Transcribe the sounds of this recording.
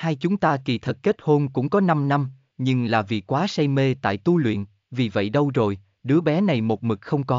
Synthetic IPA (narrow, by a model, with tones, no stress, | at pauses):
haː˧jt͡ɕʊ˨˦ŋ͡mt̪aː˧ki˨˩t̪ʰə˨˩t̚ke˦˥t̚ho˧nkʊ̰˧˥ŋ͡mkɔ˨˦na˧mna˧m | ɲɨ˧ŋlaː˨˩vḭ˨˩kwaː˨˦sa˧jme˧t̪a̰ː˧˨jt̪u˧lwḭ˧˨ən | vi˨˩və̰˧˨jɗə˧wzo˨˩j | ɗɨ˨˦əɓɛ˨˦na˨˩jmo˨˩t̚mɨ˨˩k̚xə˧wŋ͡mkɔ˨˦